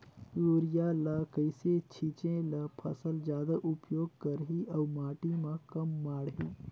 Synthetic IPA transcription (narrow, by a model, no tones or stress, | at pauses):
ɾoːɾjaːlakəɪset͡ʃʰit͡ʃẽlapʰɐsəld͡ʒjaːd̪aʔʊpjoːɡ̚kəɾɦiʔɐwmaːʈimãkɐmːaːɽɦiː